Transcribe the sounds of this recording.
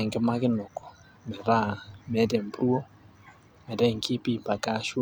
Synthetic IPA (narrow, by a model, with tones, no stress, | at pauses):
ŋɡɛ˦ma˦ɣɪ˦nʊ˨kɔ̥˨ | mɛ˨ɾa˦˨mɛ˨˦dɛ˨mbɾu˦ɔ˦ | mɛ˨dɛ˦˨ŋki˦pi˦˨pa˨ka˦ʃu˦